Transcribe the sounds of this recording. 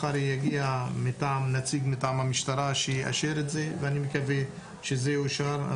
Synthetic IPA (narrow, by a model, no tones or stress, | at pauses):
χaɾijaɡiamitaʕamnat͡siɡmitaʕamhamiʃt̪aɾaʃejiʔa̰ʃeɾetzeveanimekave | ʃezeoʃaɾa̰